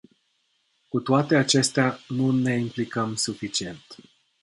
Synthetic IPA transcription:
kut̪oat̪e̞at͡ʃe̞st̪eanune̞implikəmsufit͡ʃie̞nt̪

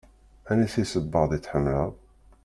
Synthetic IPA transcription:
ænæsisəbːɑðˤit͡sːħəmːləðˤ

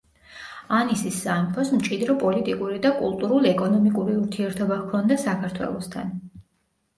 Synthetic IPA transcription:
anisisːamipʰɔsmt͡ʃʼid̪ɾɔpʼɔlit̪ʼikʼuɾid̪akʼṵlˠt̪ʼuɾulˠɛkʼɔnɔmikʼuɾiuɾt̪ʰiɛɾt̪ʰɔbakʰɔnd̪asakʰaɾt̪ʰwɛ̰lˠɔst̪ʰa̰n

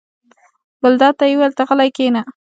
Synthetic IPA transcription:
bəld̪ɑt̪ajwelt̪aɣəlajkena

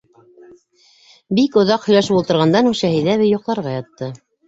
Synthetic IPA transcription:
bikŏðɑqhɵ̆jlæʃɘpulˠt̪ɤ̆ɾʁɑnd̪ɑnuʃæhɘ̆jðæβɘjŏqlˠɑɾʁɑjɑt̪ːɤ

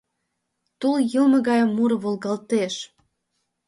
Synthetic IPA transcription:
t̪uljəlmɤ̆ɣɑjəmːuɾə̆βolɣɑlt̪eʃ

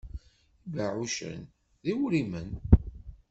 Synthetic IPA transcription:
ivaʕuʃə̰n | ðiwɾimən

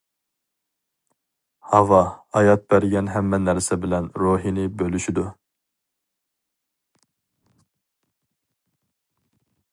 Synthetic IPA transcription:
hɑvɑɑjɑt̪̚bæɾɡʲɛnɦɛmːɛnæɾsɛbɪlɛnɾuɦinɪbølyʃid̪u

